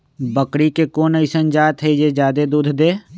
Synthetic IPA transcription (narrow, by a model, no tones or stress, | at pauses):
bəkɽikekoːnəisə̃nd͡ʒaːt̪ʰɦed͡ʒed͡ʒjaːd̪ed̪uːd̪ʱd̪eː